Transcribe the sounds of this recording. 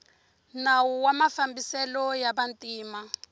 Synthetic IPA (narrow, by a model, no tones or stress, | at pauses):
nawuwamafambisɛlɔjaβantʼiːma